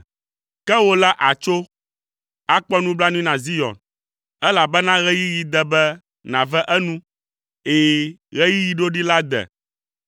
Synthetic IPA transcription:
kɛ˦wo˦la˦ʔa˨t͡ʃo˦ | a˦k͡pɔ˦nũ˦bla˦nĩ˦nã˨zi˦jɔ̰˨n | ɛ˦la˨bɛ˦nã˦ɣɛ˦ji˦ji˨˦d̪ɛ˨bɛ˦ | nã˨vɛ˦ʔɛ˦nũ˦ | e˨˦˨ | ɣɛ˦ji˦ji˨ɖo˦ɖi˦la˦d̪ɛ̰˨

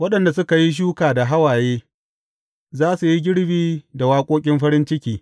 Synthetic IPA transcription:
wɐ˦ɗɐ˨nda˨sʊ˦ka˨ji˦ʃ̬uː˦kaː˨da˨ɦa˦waː˨jeː˦ | zaː˦su˨ji˦ɡʲɪ˦ɽbiː˦da˨waː˦kʷʼoː˦kʲʼɪ˦mɸɐ˦ɾɪ˦nt͡ʃɪ˦kʲiː˨

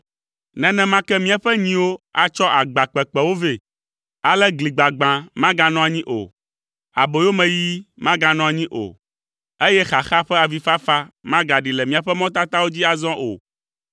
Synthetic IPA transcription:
nɛ̃˨nɛ̃˦mã˦kɛ˦mĩ˦a˨ɸɛ˦ɲĩ˦wo˦a˨t͡ʃɔ˦ʔa˨ɡ͡ba˨k͡pɛ˨k͡pɛ˨wo˦ve˨ | a˨lɛ˦ɡli˨ɡ͡ba˨ɡ͡bã˨mã˦ɡa˨nɔ̃˦a˨ɲĩ˦ʔo̰˨ | a˨bo˨jo˦mɛ̃˨ji˦mã˦ɡã˨nɔ̃˦a˨ɲĩ˦ʔo̰˨ | e˦jɛ˦xa˨xa˦ɸɛ˦a˨vi˦fa˦fa˦mã˦ɡa˨ɖi˨lɛ˨mĩ˨a˨ɸɛ˦mɔ̃˦t̪a˦t̪a˦wo˦d͡ʑi˦a˨zɔ̃˦ʔo̰˨

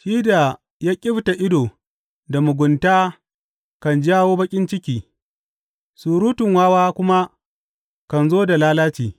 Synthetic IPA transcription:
ʃiː˦da˨ | jaː˦kʲʼɪ˦bta˨ʔɪ˦doː˨ | da˨mʊ˨ɡʷʊ˨ntaː˦ | kɐ˨nd͡ʒaː˦woː˦bɐ˦kʲʼɪ˦nt͡ʃɪ˦kʲiː˨ | suː˨ɾuː˦tʊ˨ŋwaː˦waː˦kʷʊ˦ma˦ | kɐ˨nzoː˦da˨laː˦laː˦t͡ʃiː˨

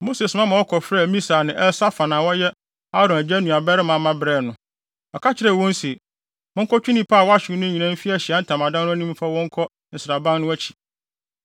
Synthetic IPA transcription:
mo˦se˨smã˦mã˨ɔ˦kʰɔ˨fɾɛː˦˨mĩ˦saː˨nɪ̃˨ʔɛ˦sa˦fa˨nãː˨wɔ˦jɛ˦ | a˦ɾɔ̃˨næ˨d͡ʑæ˦nũ˨a˨bɛ˦ɾɪ˦mã˨˦mã˦bɾɛ˦˨nʊ̃˦ | ɔ˨kʰa˦t͡ɕʰɪ˦ɾɛ˨wɔ̃˦nsi˨ | mʊ̃˦ŋ̩˦kʰɔ˦t͡ɕᶣu˦nĩ˦pʰaː˦˨wɔ˦a˦ɕᶣɪ˨ɾnʊ̃˦ɲĩ˨nã˦m˦fi˦æ˦˨ɕi˨a˦n̩˦tʰã˨ma˨dã˦nʊ̃˦æ˦nĩ˦m˦fa˦wɔ̃˦ŋ̩˦kʰɔ˦ | n̩˨sɪ˨ɾa˨bã˦nːʊ̃˦æ˦t͡ɕʰi̥˨

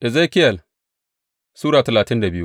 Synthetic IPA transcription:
ʔɪ˨zeː˦kɪ˦jɐ˨l | suː˦ɽaː˨tɐ˨laː˨tɪ˦nda˨bɪ˦ju˦

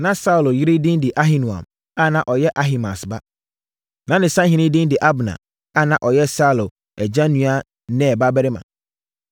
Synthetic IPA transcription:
nã˨˦sa˦u˨lo˨ji˦ɾi˦dɪ̃˦ndɪ˨ʔa˦ɦi˦nũ˨ã̰˨m | a˦˨nã˨ʔɔ˨jɛ˦ʔa˦ɦi˨ma˨sba˦ | nã˨˦nɪ̃˨sã˦hĩ˨nɪ̃˦dɪ̃˦n˦dɪ˨ʔa˦bnã̰˨ | a˦˨nã˨ʔɔ˨jɛ˦sa˦˨lo˨ | ɛ˨d͡ʑã˦nũ˨˦a˦ | nɛ̃˦˨ba˦bɛ˦ɾɪ˦mã̰˨

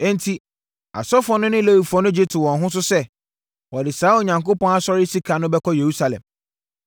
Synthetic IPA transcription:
ɛ̃˦n̩˦tʰi˨ | a̰˨sɔ˦fɔ̃˦nʊ̃˦nɪ̃˦le˦wi˨fɔ̃˦nʊ̃˦d͡ʑi˦tʰʊ˨wɔ̃˨nɦʊ̃˦s̬ʊ˦sɛ˦ | wɔ˨dɪ˨saː˨˦o˨ɲã˨ŋko˦pɔ̃˦na˦sɔ˦ɾɪ˦si˦kʰa˨nʊ̃˦bɛ˦kʰɔ˦je˨ɾu˦sa˨lɛ̰̃˨m

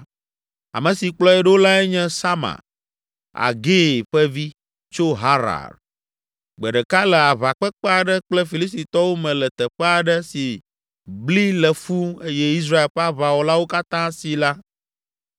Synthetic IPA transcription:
a̰˨mə̃˨si˨k͡plɔ˦ɛ˦ɖe˦wo˦la˦ɛ˦ɲɛ̃˦sa˦ma̰˨ɾ | a̰˨ɡe˦˨ɸɛ˦vi˦ | t͡ʃo˦ɦa˦ɾa̰˨ɖ | ɡ͡bɛ˨ɖɛ˨ka˦lɛ˨a˨βa˨k͡pɛ˦k͡pɛ˦a˨ɖə˦k͡plɛ˦fi˨li˦s̬t̪i˨t̪ɔ˦wo˦mɛ̃˨lɛ˨t̪ɛ˨ɸɛ˦a˨ɖə˦si˨ | bli˦lɛ˨fu˦e˦jɛ˦i˦s̬ɾa˦e˨lɸɛ˦a˦βa˨wɔ˨la˦wo˦ka˦t̪ã˦si˨la˦

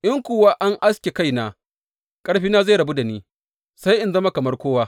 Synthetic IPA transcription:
ʔɪ˦ŋkʷoː˨waː˦ʔa˦ŋʔa˦skʲe˨ka˦jnaː˨ | kʼɐ˦ɽɸiː˦naː˦za˦˨ɽɐ˨bu˦da˨niː˦ | sa˦jʔɪ˦nzɐ˦ma˦kɐ˨mɐ˦rkʷoː˦waː˦

